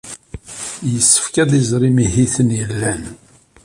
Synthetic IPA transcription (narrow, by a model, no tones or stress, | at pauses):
jəsːə̥fkæðizˤɾˤimihiθənjəlːæn